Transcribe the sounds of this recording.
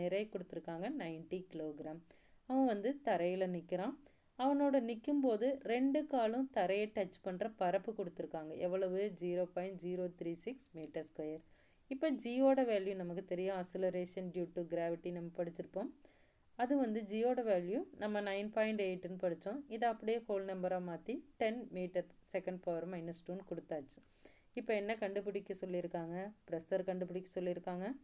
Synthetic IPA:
nɪɾɐɪkʊɽɯt̪ːɯɾɯkːaːŋɡɐnɐɪnʈikɪloːɡɪɾaːm | ɐʋɐ̃ʋɐnd̪ɯt̪ɐɾɐjɪlɐnɪkːɪɾãː | ɐʋɐnoːɽɐnɪkːɯmpoːðɯɾɛɳɖɯkaːɭɯ̃t̪ɐɾɐjɐʈːɐt͡ʃːpɐɳːɾɐpɐɾɐpːɯkʊɽɯt̪ːɯɾɯkːaːŋɡɐʔɛʋːɐɭɐʋɯd͡ʒiːɾoːpɐɪɳʈd͡ʒiːɾoːt̪ɾiːsɪksmiːʈɐɾskɔjɐɾ | ɪpːoːd͡ʒiːoːɽɐʋaːljunɐmɐkːɯt̪ɛɾɪjɐ̃ɐsɛlɐɾeːʂɐnɖjuːʈːuɡɪɾaːʋɪʈːinɐmːɐpɐɽɯt̪ːɪɾɯpːõːm | ɐðɯʋɐnd̪ɯd͡ʒiːoːɽɐʋaːljuːnɐmːɐnɐɪnpaːjɪɳʈeːʈːɯnːɯpɐɽɯt͡ʃːõɪðɐɐpːɐɽɪjeːkoːlnɐmbɐɾaːmaːt̪iʈɛnmiːʈɐɾsɛkɐɳɖpɐːʋɐɾmɐɪnɐsʈuːnkɔɽɯt̪ːaːt͡ʃːɯ̥ | ɪpːoɛnːɐkɐɳɖɯp̬ɯɽɪkʲːɐsɔlːiɾɯkːaːŋɡɐpɪɾɐst̪ɐɾkɐɳɖɯp̬ɯɽɪkːɐsɔlːɪɾɯkːaːŋɡɐ

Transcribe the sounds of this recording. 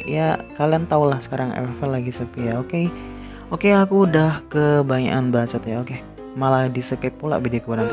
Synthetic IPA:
jakaliant̪aulahsə̥kaɾaŋɛ̰lfɛlaɡisəpijaoke | okeakuːdahkəbaɲa̰ʔanbat͡ʃat̪jaoke | maladisəkap̚pːula̰bidiokəbaɾaŋ

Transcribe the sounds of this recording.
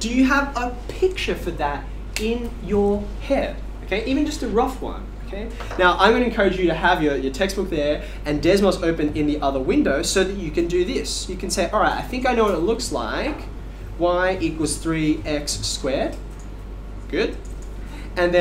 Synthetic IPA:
d̥ɨjɨəvəpʰɪk̚t͡ʃə˞fə˞ðɨɾ | ɪ̃n | jə˞ | hɛd̥oʊkʰeɪʔivɨ̃nd͡ʒʌstɨɹʌfwʌ̰̃noʊkʰeɪ | naʊʔãɪ̃mɡʌ̃nɨ̃nkʰɜ˞ɨd͡ʒjɨɾɨəvjə˞jə˞tʰɛks̚b̥ʊk̚ðə˞ | ɨ̃ndɛzməzoʊpɨ̃nɪ̃nðiʔʌðə˞wɪ̃ndoʊsoʊðɨt͡ʃɨkɨ̃ndɨðɪsjɨkʰɨ̃n̩seɪʔɑlˠɹaɪtaɪθɪ̃ŋkaɪñoʊwʌɾɨtˡlʊksla̰ɪk | waɪʔɪt̚wʌz̥θɹiɛkskwɛɹd̥ | ɡ̥ʊd̥ | ɨ̃nðɨ̃

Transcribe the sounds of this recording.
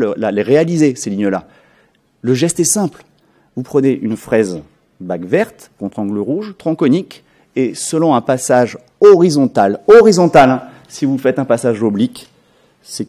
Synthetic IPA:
ləlaleʁealizeseliɲəla | ləʒɛst̪ɛsɛ̃pl | vupχəneʔynfχɛz | baɡvɛʁt̪kɔ̃t̪χɑ̃ɡləʁuʒt̪χɑ̃kɔnik | esəlɔ̃ɛ̃pasaʒ | ɔʁizɔ̃t̪alɔʁizɔ̃t̪al̃ | sivufɛt̪ɛ̃pasaʒɔblik | sɛ

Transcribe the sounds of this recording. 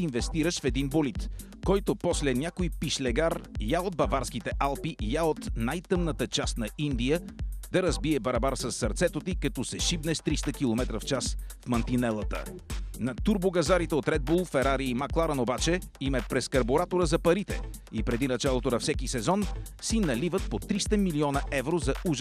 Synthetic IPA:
invɛst̪iɾəʃfɛd̪inbolit̪ | kɔjt̪opɔslɛnʲakojpiʃlɛɡaɾjaod̪̚bɐvaɾskit̪ɛʔalˠpiʔjaot̪najt̪ɤmnət̪ət͡ʃast̪nɐind̪ijəd̪ɐɾɐzbiɛbɐɾɐbaɾsɐsːɐɾt̪sɛt̪ot̪ikɐt̪ɔsɛʃibnɛst̪ɾist̪əkilˠomɛt̪ɾəft͡ʃasfmɐnt̪inɛlˠət̪ə̰nɐt̪uɾboɡɐzaɾit̪ɛot̪ɾɛd̪̚bulˠfɛɾaɾiimaklˠaɾənobat͡ʃɛimɛpɾɛskɐɾboɾat̪oɾəzɐpɐɾit̪ɛ̰ipɾɛd̪inɐt͡ʃalˠot̪onɐfsɛkisɛzɔnsinɐlivət̪̚pot̪ɾist̪əmiliɔnɐʔɛvɾozɐuʒ

